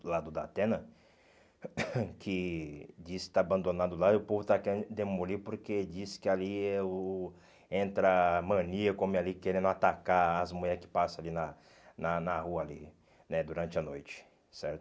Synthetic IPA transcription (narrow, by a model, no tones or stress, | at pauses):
lad̪ʊd̪at̪ẽnɐ | kʰɪd͡ʒisɪɪ̥t̪aːbɐ̃nd̪onad̪ʊlad̪ʊpovʊt̪akẽd̪emolipoɾked͡ʒisɪ̥kɪaliɛ | ẽnt̪ɾɐmɐ̃niɐkõmɪalikeɾẽnd̪ʊat̪akaɾːzmuɲɛɾkɪ̥pasɐ̃alinɐ | nɐnɐhuɐali | nɛd̪uɾɐ̃nt͡ʃɪɐnojt͡ʃɪ̥ | sɛɾt̪ʊ